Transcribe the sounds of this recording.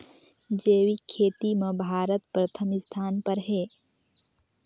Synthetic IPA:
d͡ʒeːwikʰeːt̪imẽbʱaːɾət̪pɾət̪ʰəmɪst̪ʰaːnpəɾɦeː

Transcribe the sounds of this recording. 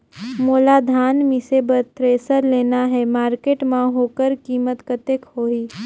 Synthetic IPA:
moːlaːd̪ʱaːnmɪ̃sebət̪ɾeːsəɾleːnaɦɛmaːɾkeːʈmãɦoːkəɾkiːmət̪kət̪ekɦoːiː

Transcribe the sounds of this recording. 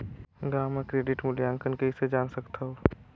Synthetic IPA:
ɡaːmːekɾeːɖɪʈmʊljãːŋkənkeised͡ʒaːnsəkt̪aɦoː

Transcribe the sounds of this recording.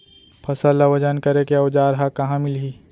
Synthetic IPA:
pʰɐsəlawɐd͡ʒənkɐɾekeɐwd͡ʒaːɾɦakɐɦãmɪlɦiː

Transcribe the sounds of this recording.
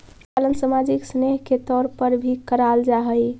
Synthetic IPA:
alənsəmad͡ʒiksneɦket̪ɔɾpəɾbʱikəɾald͡ʒaɦəj

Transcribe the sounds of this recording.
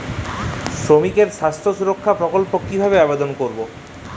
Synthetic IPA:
sɾomikeɾʃast̪ʰosuɾokʰːapɾokolpokkːibʱabeabed̪onkoɾbo

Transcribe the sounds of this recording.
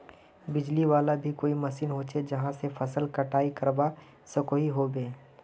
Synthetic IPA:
bɪd͡ʒliʋaːlabʱikoːimɐsiːnɦoːt͡ʃed͡ʒɐɦãsefɐsəlkɐʈaːikɐɾba | səkoːiɦobẽː

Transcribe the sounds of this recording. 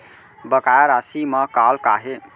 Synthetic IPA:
bəkajaɾasiməkalkaɦe

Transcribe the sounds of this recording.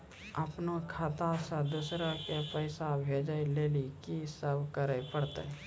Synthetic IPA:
əpnokʰat̪ãsed̪usɾakepəɪsabʱeːd͡ʒaileːlikisəbkəɾəjpəɽt̪ḛ

